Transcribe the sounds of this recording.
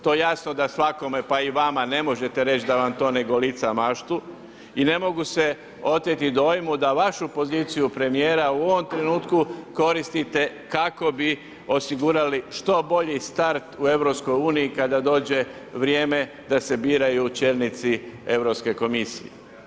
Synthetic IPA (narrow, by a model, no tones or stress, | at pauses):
t̪o̞jasnod̪asʋako̞mepaiʋamane̞mo̞ʒe̞t̪e̞ɾe̞t͡ʃd̪aʋamt̪o̞ːne̞ɡo̞lit̪samaʃt̪u | ine̞mo̞ɡuse̞ | o̞t̪jet̪id̪o̞jmud̪aʋaʃupo̞zit̪sijupɾe̞mijeːɾauo̞ʋo̞mt̪ɾe̞nuːt̪kuko̞ɾist̪it̪e̞ | kako̞bi | o̞siɡuːɾaliʃt̪o̞bo̞ʎist̪aɾt̪ue̞ʋɾo̞psko̞juːniikad̪ad̪o̞ːd͡ʒe̞ | ʋɾjeːme̞ | d̪ase̞biːɾajut͡ʃelnit̪sie̞ʋɾopske̞ko̞misḭjḛ